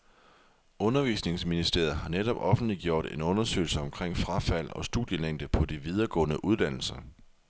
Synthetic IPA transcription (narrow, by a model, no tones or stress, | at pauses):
ɔ̽nɐʋḭːsne̝ŋsminisd̥e̝ɐ̰ð̩ˠɦɑ̈neɾɒ̽b̥ɒ̽fn̩d̥liɡ̥jo̝ɐ̰ɾ̥e̝nɔ̽nɐsø̰ːɪl̩səɒ̽mkʰʁeŋ̰fʁɑ̈fæl̰ɒ̽sd̥uðˠjəleŋ̰d̥əpʰɒ̽d̥iʋið̞ˠɐɡ̥ɔ̰̽ːnəʔuð̞ˠd̥æn̰l̩sɐ